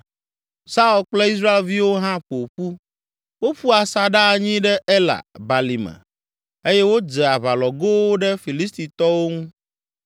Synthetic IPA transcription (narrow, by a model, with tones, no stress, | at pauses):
sa˦u˦˨lk͡plɛ˦i˦s̬ɾa˦e˨lvi˦wo˦ɦã˦ɸo˨ɸu˦ | wo˦ɸu˦a˨sa˨ɖa˦˨ɲĩ˦ɖɛ˦ʔe˦la̰˨ba˨li˨mɛ̰̃˨ | e˦jɛ˦wo˦d͡ʒɛ˨a˨βa˨lɔ˨ɡo˦wo˦ɖɛ˦fi˨li˦st̪i˨t̪ɔ˦wo˦ŋũ˦